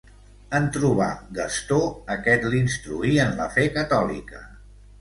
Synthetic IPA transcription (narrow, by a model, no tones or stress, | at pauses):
ənt̪ɾuβ̞a̰ɡəst̪oəkɛt̪linst̪ɾuiənlə̰fekət̪ɔlḭkə